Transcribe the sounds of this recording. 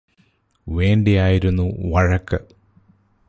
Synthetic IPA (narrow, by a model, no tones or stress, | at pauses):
ʋe̞ːɳɖijaːjiɾunːuʋɐɻɐkːɨ